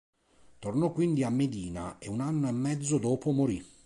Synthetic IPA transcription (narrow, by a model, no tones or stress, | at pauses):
t̪ornɔkːwind̪iamːed̪iːna̰eunanːoemːɛd̪zːod̪ɔːpomoɾi